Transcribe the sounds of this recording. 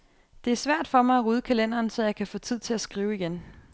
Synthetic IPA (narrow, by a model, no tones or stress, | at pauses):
d̥e̝æɐsʋæɐ̰d̥fɒ̽mɑ̈ɪæʁuːð̞ˠəkʰælen̰ɐːnsɒ̽jɑ̈ɪkʰæfɔ̽ːt͡sʰið̞̰ˠt͡sʰe̝læsɡ̥ʁiːʊiɡ̥en